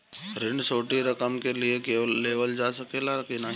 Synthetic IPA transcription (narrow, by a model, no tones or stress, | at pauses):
ɾɪɳɖsoːʈiɾɐkəmkeliekeːeːʋəld͡ʒaːsɐkelakenaɦ